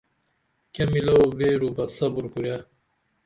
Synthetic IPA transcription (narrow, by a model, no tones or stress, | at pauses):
kemilɐobeɾubɐsɐbuɾkuja